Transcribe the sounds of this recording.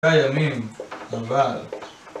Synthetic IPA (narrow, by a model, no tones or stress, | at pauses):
ajamimava